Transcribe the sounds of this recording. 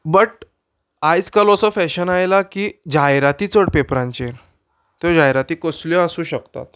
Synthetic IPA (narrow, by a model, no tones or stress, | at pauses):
bəʈ | ajt͡skalosɔfɛɕənajlakiːd͡ʑajɾat̪iːt͡səɽpepɾãɲt͡ɕeɾ | t̪od͡ʑajɾat̪iːkəsljɔasũːɕəkt̪a̰t̪